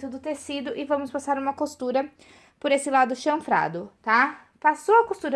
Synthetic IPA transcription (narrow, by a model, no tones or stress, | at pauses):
t̪ʊd̪ʊt̪esid̪ʊʔɪvɐ̃mʊspasaɾũmɐkost̪uɾɐ | poɾesɪlad̪ʊʃɐ̃fɾa̰d̪ʊt̪a | pasoɐkost̪uɾɐ